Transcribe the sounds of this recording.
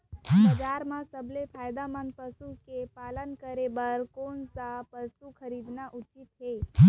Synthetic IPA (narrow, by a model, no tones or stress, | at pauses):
bəd͡ʒaɾmãsəblepʰajd̪amənpəsukepalənkəɾebəɾkonsapəsukʰəɾid̪naʔʊt͡ʃit̪ɦe